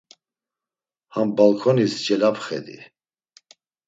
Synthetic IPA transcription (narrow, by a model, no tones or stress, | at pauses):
hambalkʰɔnisd͡ʒɛlapχɛ̰d̪ḭ